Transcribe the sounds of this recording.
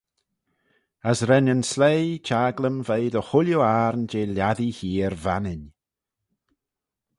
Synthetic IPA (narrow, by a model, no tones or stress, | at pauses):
əsɾɛnənslejt͡ʃʰaːɡləmvejd̪əxʊljoaːɾnd͡ʒeːljaðihiːɾvanɪn